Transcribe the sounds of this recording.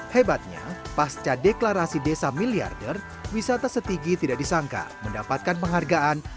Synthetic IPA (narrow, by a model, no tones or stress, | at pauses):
hebat̪̚ɲa̰past͡ʃadeklaɾasidesamilia̰rdər | wisat̪asət̪iɡit̪idaʔdisaŋka̰məndapat̪̚kanpəŋɦarɡaʔan